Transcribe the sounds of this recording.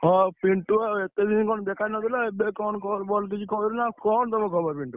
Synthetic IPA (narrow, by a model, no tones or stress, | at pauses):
ɦɔpiɳʈuet̪ed̪ʱinkɔnɔd̪ɛkʰajnɔd̪ilɔebekɔnkʰɔɾbɔlk̬it͡ʃʰikʰɔiɾnakɔnt̪ɔmɔ̃kʰɔbɔɾpiɳʈu